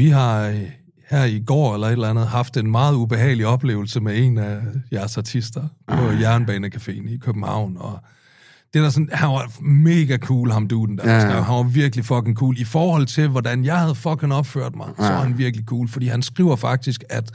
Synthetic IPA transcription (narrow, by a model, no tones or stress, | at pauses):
ʋiɦɑ̈ | hæɐ̰iɡ̥ɒ̰ːelɐe̝d̥lænð̞̩ˠhɑ̈fd̥e̝nmɑ̈ːð̞̩ˠub̥e̝ɦɛ̰ːɪliɒ̽b̥le̝̰ːʊl̩səmee̝næjæɐsɑ̈t͡sʰisd̥ɐpʰɒ̽jæɐnb̥ɛːnəkʰæfe̝̰ːn̩ikʰøb̥m̩hɑ̈ʊ̰nɒ̽ | d̥e̝d̥æsɒnhænʋɑ̈me̝ːɡ̥ækʰuːlhɑ̈md̥uːd̥n̩d̥æsæɦænʋɑ̈ʋiɐɡ̥əlifɒ̽ɡ̥ʰeŋkʰuːlifɒːhɒ̽l̰t͡sʰe̝lʋɒd̥ænjɑ̈ɪhæð̞̩ˠfɒ̽ɡ̥ʰeŋɒ̽b̥fø̰ɐ̰d̥mɑ̈ɪsɒ̽ʋɑ̈denʋiɐɡ̥likʰuːlfɒ̽d̥ḭːhænsɡ̥ʁḭʊɐfɑ̈ɡ̥̚d̥isɡ̥æd̥